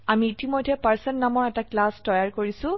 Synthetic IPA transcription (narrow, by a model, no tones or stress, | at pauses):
amiːtimojdʱːɛpaɹsɛnnamɔɹɛtaklastɔjaɹkoɹisʊ̃